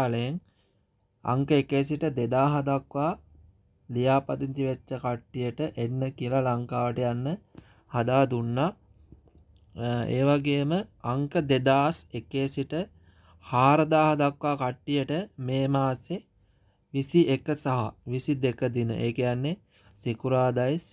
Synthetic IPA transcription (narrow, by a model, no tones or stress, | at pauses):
ləjeŋ | a̰ŋkəekeːs̬iʈəd̪ed̪aːɦɐd̪akʋaː | lijaːpad̪int̪iʋet͡ʃːəkaʈːijəʈəʔenːəkijəlalaŋkaːʋəʈəjanːə | had̪aːd̪unːa | ḛːʋaɡeːəməaŋkəd̪ed̪aːsekeːsiʈə | haːɾəd̪aːɦad̪akʋaːkaʈːijəʈəmeːmaːse | ʋisiʔekəsaɦaʋisid̪ekəd̪inə̰ʔeːkijanːe | sikuɾaːd̪ajs